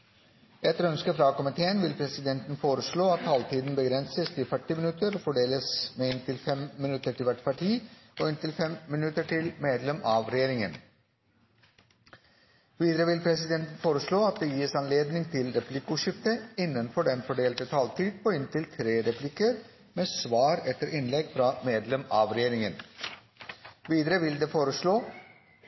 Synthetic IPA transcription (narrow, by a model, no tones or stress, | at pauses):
ɛt̪əɾœnskəfɾɑkɔmɪt̪ʰeːənʋɪlpʰɾɛsɪd̪ɛnt̪ən̩foːɾəʂɭoːɑt̪ʰːɑːlt̪ʰiːd̪n̩bəɡɾɛnsəst̪ʰɪlfœʈːɪmɪnʉt̪əɾɔfɔɖeːləsmeːɪnt̪ʰɪlfɛmːɪnʉt̪əʈɪlʋæʈpʰɑʈʰiːɔɪnt̪ɪlfɛmmɪnʉt̪əʈʰɪlmeːd̪lɛmɑʋɾɛjeːɾɪŋən | ʋiːd̪əɾəʋɪlpʰɾɛsɪd̪ɛnt̪ən̩foːɾəsɭoːɑt̪̚d̪eːjiːsɑnleːd̪nɪŋt̪ʰɪlɾɛplɪkʊʃɪft̪əɪnːənfɔɖɛnfɔɖeːlt̪ət̪ʰɑːlt̪ʰiːd̪̚pʰɔɪnt̪ʰɪlt̪ʰɾeːɾɛplɪkəɾ | meːsʋɑːɾɛt̪əɾʔɪnlɛɡfɾɑmeːd̪lɛmɑːʋɾɛjeːɾɪŋən | ʋiːd̪əɾəʋɪld̪eːfoːɾəʃɭoː